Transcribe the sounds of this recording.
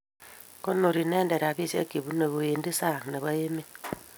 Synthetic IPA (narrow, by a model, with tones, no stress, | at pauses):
ko˦nːo˨ɾi˨ne˦nde˨ɾa˨βi˦sḛ˦ke˨βu˦ne˨βo˨je˨ndi˦sa˦˨ne˨βa˦je˦me˦